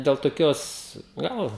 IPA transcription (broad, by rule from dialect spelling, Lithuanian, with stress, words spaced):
dʲɛlˠ toːˈkʲoːs ˈɡɐlˠ